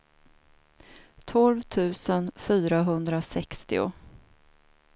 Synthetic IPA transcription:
t̪ʰɔlvt̪ʰʉ̟ːsənfyːɾaɦɵnd̪ɾasɛkst̪ɪʊ̰

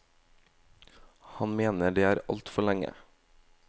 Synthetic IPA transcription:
hɑnmeːnəɖeːæːɾɑ̰lt̪fɔɭæŋə̰

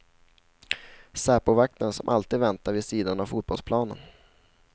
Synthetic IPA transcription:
sæːpʊvak̚t̪ənsɔmʔa̰lt̪iːd̪vɛnt̪aɾvɪsiːd̪anavfuːt̪̚bɔlspʰlɑːnə̰n

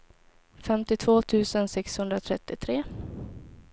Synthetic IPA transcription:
fɛmt̪ɪt̪ʰvoːt̪ʰʉ̟ːsənsɛkshɵnd̪ɾat̪ʰɾɛt̪ːɪt̪ʰɾeː

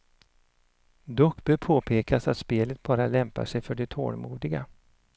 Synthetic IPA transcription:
d̪ɔkbœpʰoːpʰeːkasat̪speːlət̪̚bɑːɾalɛmpa̰ʂɛjfœɖɛt̪ʰo̰ːlmṵːd̪ɪɡa̰

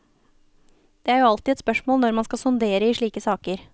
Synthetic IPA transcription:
d̪̥ɛːæːɾjuːɑlt̪ɪɛt̪spœʂmoːlnɔɾmɑnskɑsʊnd̪eːɾəiːʂɭiːkəsɑːkəɾ

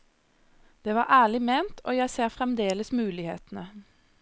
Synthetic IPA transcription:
d̪̥eːʋɑːʁʔæːɭɪmeːnt̪ʰoːjæɪseːʁfʁɛmd̪eːləsmʉːlɪhḛːt̪n̩ə

